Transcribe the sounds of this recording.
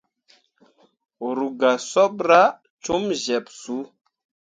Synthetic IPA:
ɾu˨ɡa˨sɔ˦ɓɾa˦ | t͡ʃu˦mʒɛ˨psu˨˦

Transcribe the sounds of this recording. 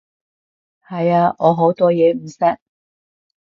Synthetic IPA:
hɐ˨jaː˧ʔɔː˨˧ɦo˨˥wt̪ɔː˥jɛː˨˧m̩˨˩sɐ˥k̚

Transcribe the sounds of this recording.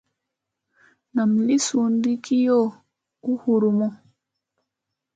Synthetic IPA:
na˨mli˦su˨ndi˦kʰi˦jo˦ | u˦hu˨ɾu˨mɔ˦

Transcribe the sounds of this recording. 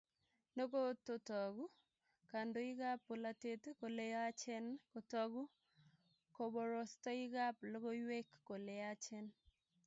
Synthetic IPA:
no˦ko˦to˦tɔ˨ɡu˦ | ka˨ndo˨i˦ɡa˦pːo˨la˦te˦tko˨le˦a˦t͡ʃɛ˦nko˨tɔ˦ɡu˦ | ko˨bɔ˨ɾɔ˨stɔ˦i˦ɡa˦plo˦ɡo˦jwe˦kːo˨le˦a˦t͡ʃɛ˦n

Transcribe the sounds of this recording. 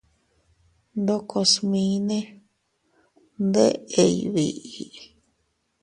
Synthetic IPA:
nd̪o˧kʰo˧smĩ˧˦nẽ˦ | nd̪e˦ʔe˧jiβi˧ʔi˧

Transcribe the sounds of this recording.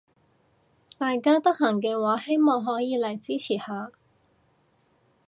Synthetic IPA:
t̪aː˨jkaː˥t̪ɐ˥k̚hɐ˨˩ŋk̬ɛː˧waː˨˥he˥jmɔː˨ŋɦɔː˨˥jiː˨˧lɐ˨˩jt͡siː˥t͡sʰiː˨˩haː˨˧

